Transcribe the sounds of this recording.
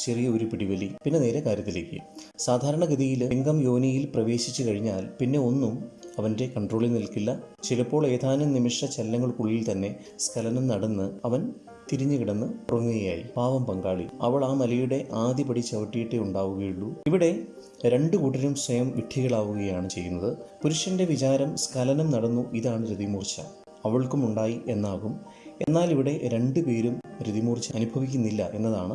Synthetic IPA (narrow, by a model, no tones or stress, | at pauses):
t͡ɕerijɐo̞ɾupiɽiʋɐlipinːe̞ne̞ːɾe̞kaːɾjɐt̪ːileːkʲːɨ̰ | saːd̪ʱaːɾɐɳɐɡɐðijileŋɡɐmjo̞ːnijilprɐʋe̞ːɕit͡ɕːukɐɻiɲːaːlpinːe̞o̞nːumɐʋɐnde̞kɐɳɖro̞ːɭilnilkilːɐt͡ɕilɐpːo̞ːɭeːd̪ʰʱaːnɐmnimiʂɐt͡ɕelːɐŋːɐɭkuɭːilt̪ɐnːe̞ | skɐlɐnɐmnɐɽɐnːɨɐʋɐn | t̪iɾiɲːɨkiɽɐnːɨpurɐŋːiɣɐjaːjḭpaːʋɐmpɐŋɡaːɭḭɐʋɐɭaːmɐlɐjuɽe̞ʔaːd̪ipɐɽit͡ɕːɐʋɐʈːijiʈːeuɳɖaːʋuɣɐjiuɭːuiʋiɽe̞ | ɾe̞ɳɖɨkuːʈːɐɾumswɐjɐmʋiʈʰːiɣɐɭaːʋuɣɐjaːɳɨt͡ɕe̞jːunːɐðɨpuɾuʂjɐnde̞ʋit͡ɕaːɾɐmskɐlɐnɐmnɐɽɐnːuʔiðaːɳɨɾiðimuːrt͡ɕːɐ̰ | ɐʋɐɭkumuɳɖaːjiʔe̞nːaːɣum | e̞̰nːaːliʋiɽe̞ɾe̞ɳɖɨpe̞ːɾumɾiðimuːrt͡ɕːɐɐnubʱɐʋikʲːunːilːɐʔe̞nːɐðaːɳɨ